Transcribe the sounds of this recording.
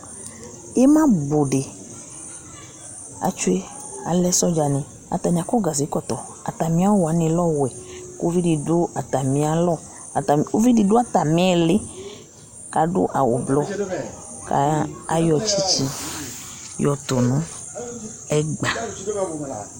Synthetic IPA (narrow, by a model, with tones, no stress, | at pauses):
e˦mã˦bo˨ɖe˨ | a̰˨t͡ʃu˦e˦ | a̰˨lɛ˦sɔ˦d͡ʒa˨nẽ˨ | a̰˨t̪a˨ɲĩ˨a˨kɔ˦ɡa˨zi˨˦kɔ˨t̪ɔ˨ | a̰˨t̪a˨mĩ˦a˦wa˨˦nẽ˨lɔ˦wɛ˨ko˦vi˦di˨do˦a˨t̪a˨mĩ˨˦a˨lɔ˦˨ | m˨o˦vi˦di˨do˦a˦t̪a˨mẽ˦˨le˦ | ka˨ɖo̰˦ʔa˨wo̰˨blɔ˦ | ka̰˨a̰˦jɔ˨t͡ʃi˦t͡ʃi˦ | jɔ˨t̪o˨nũ˦ | ɛ˦ɡ͡ba˨